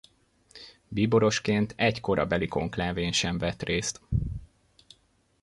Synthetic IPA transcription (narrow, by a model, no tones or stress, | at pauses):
biːbo̞ɾo̞ʃkeːnt̪ʰɛcko̞ɾɒ̰bɛliko̞̰ŋklaːveːnʃɛɱvɛt̪reːst̪